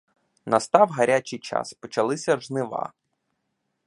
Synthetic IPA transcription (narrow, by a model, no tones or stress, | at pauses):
nɐst̪ɑwɦɐɾʲat͡ʃijt͡ʃɑ̰spɔt͡ʃɐlˠɪsʲɐʒnɪʋɑ̰